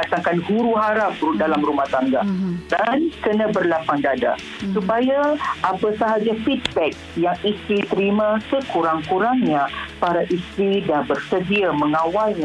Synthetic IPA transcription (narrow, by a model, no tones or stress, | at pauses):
at̪aŋkanɡuɾuɦaɾap̚udalamɾumaht̪aŋɡadankənãbərlapaŋdada̰ | supajaʔapəsaɦad͡ʒafit̚bɛk̚jaŋist̪ɾit̪əɾimãsəkuɾaŋkuɾaŋɲãpaɾaʔist̪ɾidabərsədiaməŋãwalɲa